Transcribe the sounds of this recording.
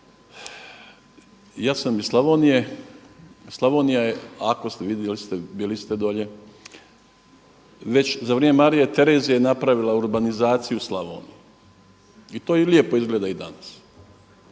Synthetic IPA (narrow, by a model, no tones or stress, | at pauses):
jaːsamislaʋonije | slˠaʋoːnijajeako̞st̪eʋid̪jelist̪ebiːlist̪ed̪o̞ʎe̞ | ʋe̞t͡ɕzaʋɾʲememaɾijet̪e̞ɾeːzijajenapɾaʋilauɾbanizaːt̪sijuslaʋo̰ːni | it̪oːjilie̞po̞izɡleːd̪aid̪a̰nas